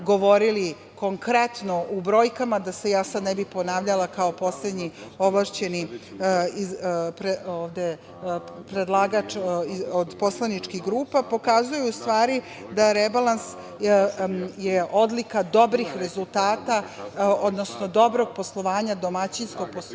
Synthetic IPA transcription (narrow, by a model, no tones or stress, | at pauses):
ɡo̞ʋo̞ɾili | ko̞ŋkɾet̪no̞ʔubɾo̞ːjkamad̪ase̞jaːsad̪nɛbipo̞naːʋʎalakao̞po̞sle̞d̪ɲio̞ʋlaʃt͡ɕe̞ni | ipɾeoːvd̪e | pɾed̪lˠaːɡat͡ʃiod̪po̞slˠanit͡ʃkiɡɾuːpapo̞kazujuust̪ʋaːɾi | d̪aɾebalˠans | jeʔo̞d̪likad̪o̞bɾixɾe̞zulˠt̪aːt̪ao̞d̪no̞snod̪o̞bɾo̞ɡ̚po̞slˠo̞ʋaːɲad̪o̞mat͡ɕinskoɡ̚po